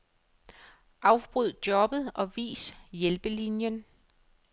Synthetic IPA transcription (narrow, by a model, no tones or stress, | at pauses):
ʔɑ̈ʊb̥ʁyð̰ˠd̥jɒ̽b̥ð̞̩ˠɒ̽ʋḭːsjelb̥əlinjən